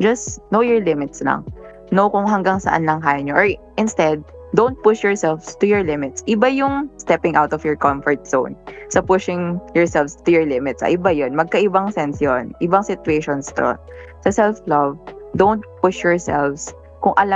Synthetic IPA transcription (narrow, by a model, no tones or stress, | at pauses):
d͡ʒɐsnowjɔɹlɪmɪt̪slɐ̰ŋ | nokʊŋɦɐŋɡaŋsɐ̰ʔa̰nlɐŋkaːjɐɲoʔɔɹʔɪnst̪ɛd̪̚d̪õwnt̪̚pʊʃjɔɹsɛlvst̪ʊjɔɹlɪmɪt̪sʔɪbajʊŋst̪ɛpɪ̃ŋʔawt̪ɔfjɔɹkɔmfɔɹt̪̚so̰wnsɐpʊʃɪŋjɔɹsɛlfst̪ʊjɔɹlɪmɪt̪sɐ̰ʔɪbajonmɐɡ̚kɐʔɪbaŋsɛnsjonʔɪbɐŋsɪt̪ʊeʃɔnst̪o̰ | sɐsɛlflovd̪ownt̪̚pʊʃjɔɹsɛ̰lvs | kʊŋʔɐla